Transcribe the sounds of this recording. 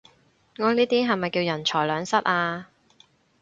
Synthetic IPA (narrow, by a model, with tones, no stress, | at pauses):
ŋɔː˨˧niː˥t̪iː˥ɦɐ˨jmɐ˨jkiː˧wjɐ˨˩nt͡ʃʰɔː˨˩jlœː˨˧ŋsɐ˥t̚aː˧